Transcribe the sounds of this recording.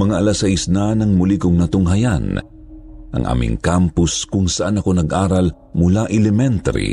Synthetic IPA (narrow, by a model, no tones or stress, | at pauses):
mɐŋaʔɐlasɐisnanɐŋmʊlikʊŋnɐt̪oŋɦɐjan | ʔɐ̰ŋʔa̰ːmʔɪ̰ŋkampʊskʊŋsɐʔanɐko̞nɐɡʔaːɾɐl | mʊlaʔɛlɛmɛnt̪ɐ̰ɾḭ